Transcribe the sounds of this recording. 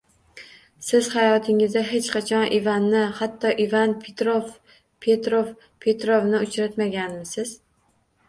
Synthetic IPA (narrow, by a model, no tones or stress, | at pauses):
sɪz̥hajɒt̪ʰɪŋɪzd̪aɦe̞t͡ʃqʰɑt͡ʃʰɒnʔivanːɪhat̪ʰːɒʔivanpʰet̪ɾof | pʰe̞t̪ɾof | pʰe̞t̪ɾovnɪʊt͡ʃɾat̪maɡʲanmɪsɪz̥